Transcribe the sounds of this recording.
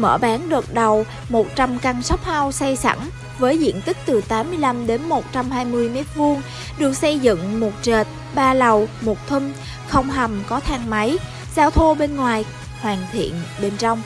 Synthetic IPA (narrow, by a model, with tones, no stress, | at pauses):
mə̰ː˧˩ɓaː˨˦nɗə˨˩k̚ɗa˨˩w | mo˨˩t̚t͡ɕa˧mka˧ŋsɔ˦˥wk͡p̚ha˧wsa˧jsa̰˧˩ŋ | vəː˨˦jzḭ˧˨ənt̪ï˦˥k̚t̪ɨ˨˩t̪aː˨˦mːɨ˧əjla˧mɗe˨˦nmo˨˩t̚t͡ɕa˧mɦaː˧jmɨ˧əjmɛ˦˥t̚vu˧əŋ | ɗɨ˨˩ək̚sə˧jzɨ̰˧˨ŋmo˨˩t̚t͡ɕə˨˩t̚ | ɓaː˧la˨˩wmo˨˩t̚t̪ʰwi˧ŋ | xə˧wŋ͡mɦa˨˩mkɔ˨˦t̪ʰaː˧˩ŋma˨˦j | zaː˧wt̪ʰo˧ɓe˧nŋwaː˨˩j | hwaː˨˩ŋt̪ʰḭ˧˨ənɓe˧nt͡ɕɔ˧wŋ͡m